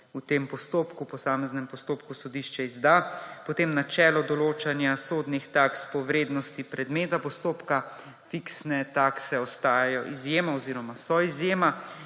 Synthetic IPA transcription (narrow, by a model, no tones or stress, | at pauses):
ut̪empɔst̪oːpkupɔsaːmɛznɛmpɔst̪oːpkusɔd̪iʃt͡ʃɛizd̪apɔt̪eːmnat͡ʃɛːlɔd̪ɔloːt͡ʃanjasoːd̪nixt̪akspɔʋɾeːd̪nɔst̪ipɾɛd̪meːt̪apɔst̪oːpka | fiksnɛt̪aksɛɔst̪aːjajɔʔizjeːmaɔziːɾɔmasɔizjeːma